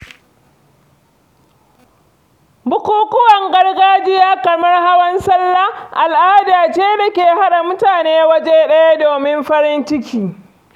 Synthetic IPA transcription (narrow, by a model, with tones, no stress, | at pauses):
bʊ˦kʷuː˦kʷʊ˦wɐ˨ŋɡɐ˦rɡaː˦d͡ʒɪ˦jaː˦kɐ˨mɐ˦rha˦wɐ˦nsɐ˦lːa˦ʔa˨lʔaː˦daː˨t͡ʃeː˦da˨kʲeː˨ɦa˦ɗa˨mʊ˦taː˨neː˦wɐ˦d͡ʒe˦ɗɐ˦ja˦doː˨mɪ˦mɸɐ˦ɾɪ˦nt͡ʃɪ˦kʲiː˨